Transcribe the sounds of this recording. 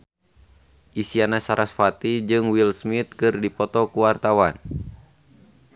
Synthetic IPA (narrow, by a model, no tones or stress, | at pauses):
ʔisianasaɾʔasfat̪id͡ʒɨŋwilsmit̪̚kɨrdipɔt̪ɔkuwart̪awan